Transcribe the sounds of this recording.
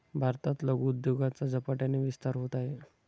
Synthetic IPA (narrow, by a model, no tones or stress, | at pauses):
bʱaɾt̪at̪ləɡud̪joɡat͡sad͡zəpaʈjaneʋist̪aɾɦot̪aɦe